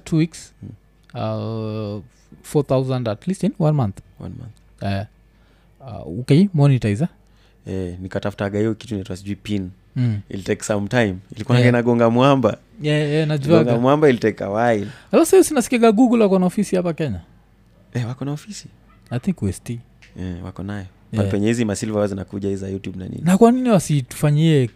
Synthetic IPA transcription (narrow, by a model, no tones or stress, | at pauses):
tʰuwiks | a | fɔθawzãndatlistinwanmãnθwa̰nma̰nθ | ɛ | ɔkemɔnitaiza | ɛnikatafu̥taɡaiɔki̥tuniɛtuasiʄuipin̩ | ḭltɛksamtajmilikuanaɡɛnaɡɔŋɡamwamba | ɛɛnaʄuaŋɡamwambailitɛkːa̰wailalafsiusinasi̥kɛɡaɡuːk̬ulɛwakɔnaɔfisihapakɛɲa | ɛwakɔnaɔfisi̥ | ajt̪ʰiŋkuɛsti | ɛwa̰kɔnajɔ | apɛɲɛhizimasilvaaazinakuʄaizajutjubna̰nḭnnakwaniniwasitu̥faɲiɛ